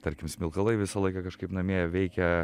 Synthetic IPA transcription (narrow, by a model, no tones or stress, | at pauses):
t̪ɐɾʲkʲɪmsʲmʲɪlˠkɐlˠɐɪʋʲɪsɐlˠɐɪkɐkɐʃkɐɪpnɐmʲiɛjɛʋʲɛɪkʲɛ